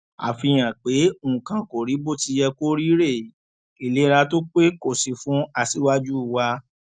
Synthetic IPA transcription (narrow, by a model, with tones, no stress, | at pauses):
a̰˨fi˧j̃ã˨k͡pe˨˦˨ũ˨kã˨ko˨ɾi˨˦bo˦˨ti˧˦jɛ˧ko˦ɾi˦ɾe˦˨ | i˨le˨˦ɾa˧to˦k͡pe˦ko˦˨si˨˧fũ˨˦a˧si˨˦wa˦d͡ʒu˦˨wa˧